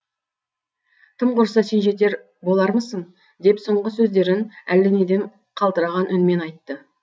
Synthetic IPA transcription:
t̪ʰəmqʊɾsɑse̞nʒe̞t̪e̞ɾ | bo̞lˠɑɾməsəɴ | d̪e̞pso̞ɴʁəsɵzd̪e̞ɾɪnælːened̪e̞ɴ | qʰɑlˠd̪əɾɑʁɑnʔʏnme̞nɑjt̪ːə

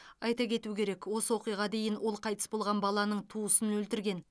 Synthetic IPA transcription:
ɑjt̪ɑkʲʰe̞t̪ukʲʰe̞ɾe̞kwo̞səwo̞qijʁɑd̪e̞jɪnwo̞lˠqʰɑjt̪ə̥sbo̞lˠʁɑnbɑlˠɑnəɴt̪ʰuəsənwɵlt̪ɪɾɡʲe̞n

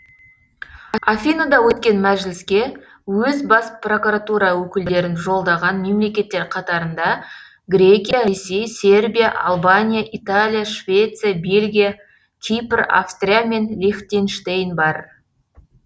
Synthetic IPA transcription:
afʲinad̪ɑwɵt̪̚kʲe̞nmæʒɪlɪskʲe̞ | wɵzbɑspro̞kuɾat̪uɾɑwɵkʲɪld̪e̞ɾɪnʒo̞lˠd̪ɑʁɑnme̞mle̞kʲe̞t̪ːe̞ɾqʰɑt̪ɑɾənd̪ɑ | ɡɾʲe̞kʲijaesejse̞rbʲijaʔɑlˠbanʲijaʔit̪alʲijaʃvʲe̞t̪sɨjabe̞lɡʲija | kʲʰipra̰fst̪rʲijame̞nvʲiχt̪inʃt̪ejnbɑɾ

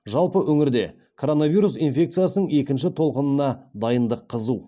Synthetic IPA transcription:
ʒɑlˠpəwʔɵŋɪɾd̪e̞ | kʰo̞ɾo̞navʲijɾusinfʲe̞k̚t̪sɨjasənəɴe̞kʲɪnʃɪt̪ʰo̞lˠqənənɑd̪ɑjənd̪əqʰːəzuw

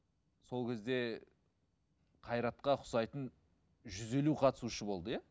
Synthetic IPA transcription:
so̞lˠkʲʰe̞zd̪e̞ | qʰɑjɾɑt̪̚qɑqʰʊ̥sɑjt̪ən | ʒʏze̞luqʰɑt̪ə̥suʃəbo̞lˠd̪əja

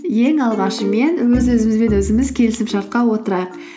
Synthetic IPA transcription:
je̞ŋɑlˠʁɑʃəme̞nwɵzwɵzɪmɪzbe̞nwɵzɪmɪz̥kʲʰe̞lɪsɪmʃɑɾt̪̚qɑwo̞t̪əɾɑjəq

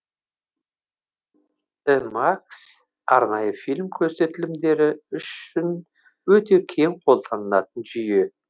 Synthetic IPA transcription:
emaks | ɑɾnɑjəfilmkʲʰɵɾse̞t̪ɪlɪmd̪e̞ɾɪʏʃɪn | wɵt̪e̞kʲʰe̞ŋqʰo̞lˠt̪ʰɑnənɑt̪ənʒʏje

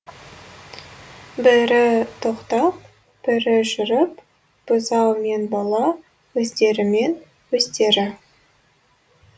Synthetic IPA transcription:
bɪɾɪt̪ʰoqt̪ɑp̚ | b̥ɪɾɪʒʏɾɪp | b̥ʊzɑwme̞nbɑlˠɑ | wɵzd̪e̞ɾɪme̞n | wɵzd̪e̞ɾɪ

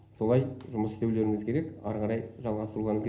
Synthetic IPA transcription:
solˠɑjʒʊməsst̪ewle̞ɾɪŋɪzkʲʰeɾe̞kɑɾʁɑɾɑjʒɑlˠʁɑsəɾulˠʁɑnk̪ʲ

